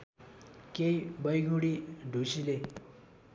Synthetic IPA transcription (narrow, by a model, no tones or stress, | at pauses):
kejbʌjɡʱuɽiɖʱusile